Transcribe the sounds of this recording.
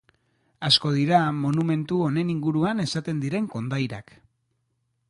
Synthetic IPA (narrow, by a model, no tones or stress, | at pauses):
asko̞ð̞iɾamo̞nume̞nt̪uo̞ne̞niŋɡuɾuane̞sat̪e̞nd̪iɾe̞ŋko̞nd̪ajɾak